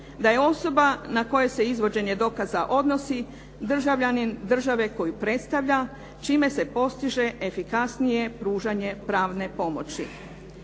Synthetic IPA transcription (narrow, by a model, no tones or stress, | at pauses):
d̪aje̞o̞so̞banako̞je̞se̞izʋo̞d͡ʑe̞ɲe̞d̪o̞kazaʔo̞d̪no̞si | d̪r̩ʒaʋʎanind̪r̩ʒaʋe̞ko̞jupɾe̞t̪st̪aʋʎa | t͡ʃiːme̞se̞po̞st̪iʒe̞ʔefikasnije̞pɾuːʒaɲe̞pɾaːʋne̞po̞mo̞t͡ɕi